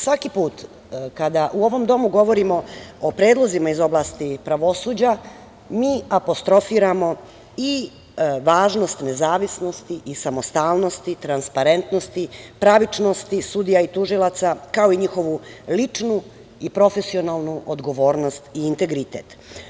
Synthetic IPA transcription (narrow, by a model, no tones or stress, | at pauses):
sʋakipuːt̪ | kad̪aʔuo̞ʋo̞md̪o̞muɡo̞ʋo̞ɾimo̞opɾe̞ːd̪lˠo̞zimaizo̞blˠast̪ipɾaʋo̞suːd͡ʑa | miːapo̞st̪ɾo̞fiːɾamo̞ | i | ʋaːʒno̞st̪ne̞zaːʋisno̞st̪iʔisamost̪aːlnost̪it̪ɾanspaɾe̞nt̪no̞st̪ipɾaʋit͡ʂnost̪isud̪ijait̪uʒilˠat̪sakao̞iɲixo̞ʋulit͡ʂnu | ipɾo̞fesio̞nalˠnuʔod̪ɡo̞ʋo̞ːɾno̞st̪iːnt̪e̞ɡɾit̪e̞ːt̪